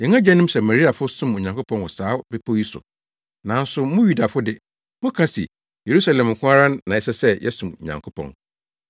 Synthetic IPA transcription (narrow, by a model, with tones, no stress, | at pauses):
jɛ̃˨ŋã˦d͡ʑɛ˦nʊ̃˦msɛ˨mæ˨ɾi˦a˨fʊ˦sʊ̃˦mo˨ɲã˨ŋkʰʊ˦pʰɔ̃˦nwɔ˨saː˨˦be˦pʰo˦ji˦sʊ̰˨ | nã˨˦n˦sʊ˨mʊ̃˦ju˦da˨fʊ˦dɪ˦ | mʊ̃˦kʰa˦sḭ˨ | je˨ɾu˦sa˨lɛ̃˨m̩˨kʰʷʊ̃˦a˦ɾã˦nːã˨ɛ˨˦sɛ˦sɛ˦jʔɛ̰˦sũ˨mo˨ɲã̰˨ŋkʰʊ˦pʰɔ̰̃˨n